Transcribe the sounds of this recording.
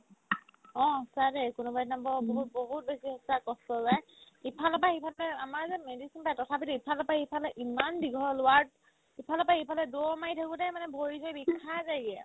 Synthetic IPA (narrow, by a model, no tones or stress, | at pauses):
ɔ̃sadekʊnubaɹtnambɔboɦut̚boɦut̚besiɦɔsakɔstɔzaj | ipʰalapahepʰalɛamaɹzɛmedisinpajɛtɔtʰapitiipʰalapahipʰalɛʔimanbiɡʱɔlʊwaɹd̚ | ipʰalapahepʰalɛdomajtʰakʊdɛmanɛbʱoɹizɔjbikʰːazaɡiɛ